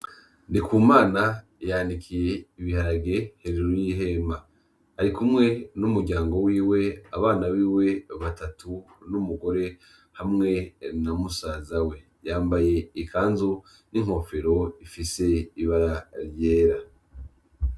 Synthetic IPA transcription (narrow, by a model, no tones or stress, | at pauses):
nikuːmaːna | janikʰije̞iβihaɾaɡe̞heɾeɾujiɦe̞maː | ɾikumŋe̞numuɾɟaːŋɡo̞wiːwe̞aβaːnawiːwe̞βatatʰu | numuɡo̞ɾe̞ | hamŋe̞namusaːzawe̞ | jaːmbaje̞ikʰaːnzu | niŋ̥ho̞fe̞ɾo̞ifise̞iβaɾaɾje̞ːɾa